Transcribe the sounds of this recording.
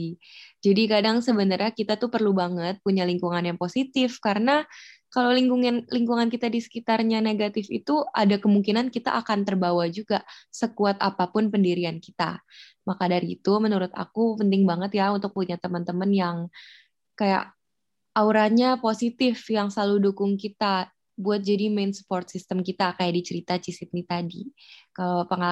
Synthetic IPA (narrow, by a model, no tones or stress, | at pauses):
d͡ʒadikadaŋsəbənərɲakit̪at̪upərlubaŋət̪̚puɲaliŋkuŋanjaŋposit̪ɪfkaɾənakalawliŋɡuŋɪnliŋkuŋankit̪adisə̥kit̪arɲaneɡat̪ɪfḭt̪uʔadakəmuŋkinankit̪a̰ʔakant̪ərbawad͡ʒuɡasəkuat̪apapʊnpəndiɾiankit̪a̰ | makadaɾḭt̪umənuɾʊt̪a̰kupənt̪ɪŋbaŋət̪jaunt̪ʊk̚puɲat̪əmənt̪əmənjaŋ | kaja̰ʔ | auɾaɲaposit̪ɪfjaŋsəlaludukʊŋkit̪a | buat̪̚d͡ʒadimensə̥pɔrt̪̚sist̪əmkit̪akajadit͡ʃəɾit̪at͡ʃisɪt̪̚nit̪adikalapəŋa